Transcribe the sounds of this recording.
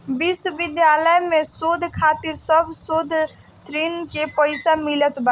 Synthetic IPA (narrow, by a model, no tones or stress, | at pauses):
ʋɪswəʋɪd̪jaːləjmẽsoːd̪ʱkʰaːt̪ɪɾsəbʱsoːd̪ʱ | t̪ɾinkepəɪsamɪlət̪ba